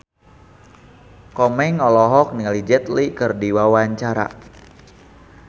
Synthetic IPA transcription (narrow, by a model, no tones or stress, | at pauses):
kɔmɛŋɔlɔɦɔk̚nialid͡ʒɛt̪likɨrdiwawaɲt͡ʃaɾa̰